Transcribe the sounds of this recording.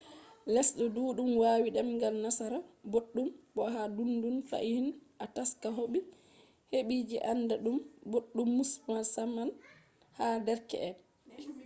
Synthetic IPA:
lɛsɗɔduːɗumwaːwiɗɛmŋɡalnasaɾaboɗːumbɔɦadundunfa̰ʔihinʔataskaɦoɓi | heɓiːd͡ʒḭʔanːdaɗumboɗːumːusmasaman | hadɛɾkɛ̰ʔɛn

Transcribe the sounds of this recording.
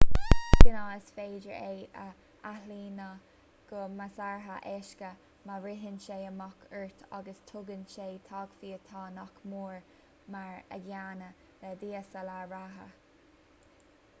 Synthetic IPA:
sɪnaəsfeːdəɹejə | aɦiːnə | ɡ̥ɔmasaɹɦəʔɛʃkə | maɾɪɦənʃeːəmɔkʰəɹt̪ʰa̰ɡəst̪ʰʊɡənʃeːt̪ʰɑːɡfiːət̪ʰɑːnɔkmuːɹ | maɹə̰ɡaːnə | lɛd̪iːəsəlaɹaɦə̰

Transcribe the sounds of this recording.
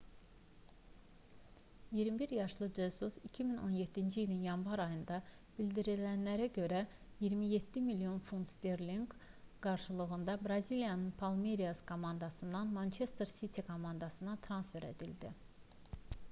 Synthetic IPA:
jiɾmibiɾjɑʃlˠɯd͡ʒesusicʰimino̞̰njed̪ːind͡ʒiilinjɑnvɑɾɑjɯnd̪ɑ | b̥ilʲd̪iɾilænlæɾæɟø̞ɾæ | jiɾmijet̪ʰːimilijo̞nfunst̪eɾliŋɡɡ̥ɑɾʃɯlˠɯɣɯnd̪ɑbɾɑzilijɑnɯnpʰɑlˠmeɾijaskʰo̞mɑnd̪ɑsɯnd̪ɑnmɑnt͡ʃʰe̞st̪ɾsit̪ʰikʰo̞mɑnd̪ɑsɯnɑt̪ʰɾɑnsfe̞ɾe̞̰d̪ild̪ḭ

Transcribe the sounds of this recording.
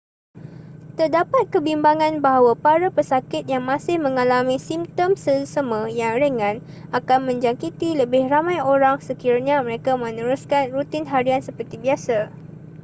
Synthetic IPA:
t̪ərdapat̪̚kəbimbaŋãnbaɦawapaɾapəsakɪt̪̚jaŋmãsɪhmə̃ŋalamĩsimt̪ɔmsəsəmə̃jaŋɾəŋãn | akanmə̃ɲd͡ʒaŋkit̪iləbɪhramãjoɾaŋsəkiɾaɲãmə̃ɾekamə̃nəɾuskanrut̪ɪnɦaɾiansəpərt̪ibiasa

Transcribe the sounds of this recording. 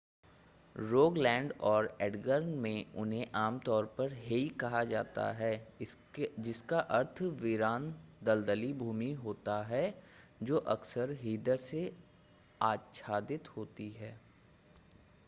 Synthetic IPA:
ɾoːɡlɛ̃ːɳɖɔːɾɛːɖɡəɾnmẽʊnɦẽʔaːmt̪ɔːɾpɐɾɦeikɐɦad͡ʒaːt̪a̰ɦɛː | d͡ʒɪskaʔɐɾt̪ʰʋɪɾaːnd̪ɐld̪əlibʱuːmiɦoːt̪aɦɛːd͡ʒoːʔɐksəɾɦiːd̪əɾse | aːʃʰaːd̪ɪt̪hoːt̪iɦɛː

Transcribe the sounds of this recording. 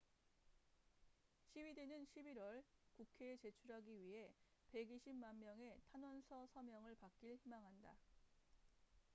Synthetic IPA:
ɕʰiwidenɯnɕʰibiɾwʌɭkukʰe̞ːt͡ɕe̞t͡ɕʰuɾɦaɡiɥiɦe̞pe̞ɡiɕʰimmanmjʌŋe̞tʰanwʌnsʰʌsʰʌmjʌŋɯɭpak̚k͈iɭçimaŋɦanda

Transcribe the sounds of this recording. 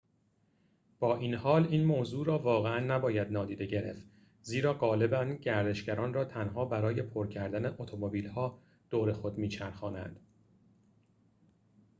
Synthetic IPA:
b̥ɒːʔiːnhɒːliːnmoːzuːɾɒːvɒːɣeænːæbɒːjæd̪nɒːd̪iːd̪e̞ɟe̞ɾe̞̰ft̪ | ziːɾɒːɢɒːle̞bænɟæɾd̪e̞ʃɟæɾɒːnrɒːt̪ʰænɦɒːbæɾɒːje̞pʰoɾcʰæɾd̪æneʔot̪ʰomobiːlhɒː | d̪̥oːɾe̞xo̞d̪miːt͡ʃʰæɾxɒːnæ̰nd̪̥

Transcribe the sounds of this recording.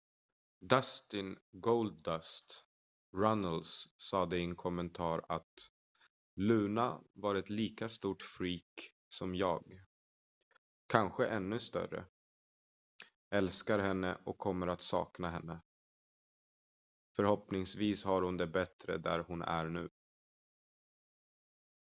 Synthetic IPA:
d̪ast̪ɪnɡold̪̚ast̪ | ɾanəlsːɑːd̪ɛɪɛnkʰɔmːɛnt̪ʰɑːɾat̪ | lʉ̟ːna̰vaːɾɛt̪liːkast̪uːʈfɾiːk | sɔmjɑːɡ | kʰanɧəʔɛnːɵst̪œ̰ɾə̰ | ɛlskaɾɦɛnːə̰ʔɔkʰːɔmːəɾat̪sɑ̰ːknaɦɛnːə | fœɾhɔpnɪŋsviːshaɾhʊnd̪ɛbɛt̪ɾə̰d̪æ̰ɾhʊnæ̰ɾɳʉ̟ː

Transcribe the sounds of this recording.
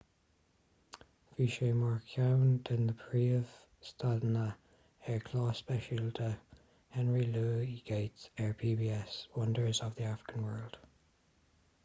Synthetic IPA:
v̥iʃeɪmɑɹkʰjaʊnd̥ə̃nðəpʰɹiːəv̥ | stadnə | ɛɹkʰl̥ɔːspɛʃɪldə | hɛnɹiluːiɡ̥eɪtsɛɹpʰiːbiːɛswʌ̃ndə˞zəvðiafɹɪ̥kʰə̃nwɜ˞lˠd̥

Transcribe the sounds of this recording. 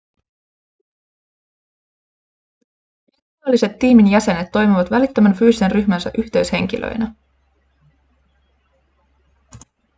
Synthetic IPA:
is | ɑlːise̞t̪ːiːminjæse̞ne̞t̪ːo̞jmiʋɑt̪ʋælit̪ːømænfyːsisenryçmænsæʔyçt̪e̞ɥshe̞ŋk̟ilʔø̰jnæ

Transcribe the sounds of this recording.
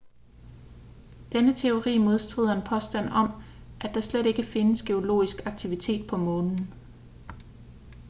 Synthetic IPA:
d̥enət͡sʰe̝o̝ʁḭːmo̝ð̞ˠsd̥ʁḭð̞̩̰ˠɐenpʰɒ̽sd̥æn̰ɒ̽m | ʔæd̥ɑ̈sleɾe̝ɡ̥əfe̝nəsɡ̥e̝o̝lo̝̰ːisɡ̥ɑ̈ɡ̥̚t͡sʰiʋit͡sʰe̝̰ːd̥̚pʰɒ̽mɔ̽ːnn̩

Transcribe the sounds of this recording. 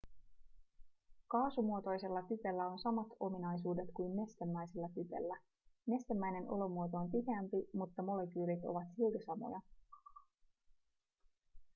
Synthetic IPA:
kɑːsumuo̞t̪o̞jse̞lːɑt̪yt̪e̞lːæo̞nsɑmɑt̪o̞minɑjs̬uːde̞t̪kujmme̞st̪emːæjse̞lːɑt̪yt̪e̞̰lːæ | me̞st̪emːæjne̞nʔo̞̰lo̞muot̪oːnp̪iheæmpimut̪ːɑmo̞le̞kyːɾit̪o̞̰ʋɑt̪silt̪isɑmo̞̰jɑ

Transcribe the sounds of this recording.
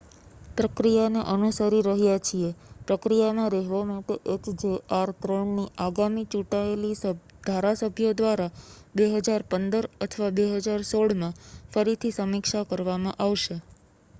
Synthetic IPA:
pɾəkɾijanḛʔənusəɾiɾəɦjat͡ʃʰiepɾəkɾijamãɾeɦɭomãpeʔekd͡ʒeaɾt̪ɾəɳniʔaɡamit͡ʃũʈaelis | d̪̥ʱaɾasəbʱjod̪ʋaɾabeɦəd͡ʒaɾpənd̪əɾət̪ʰəʋabeɦəd͡ʒaɾsoɽmãfəɾit̪ʰisəmikʃakəɾʋamãʔaʋʃe

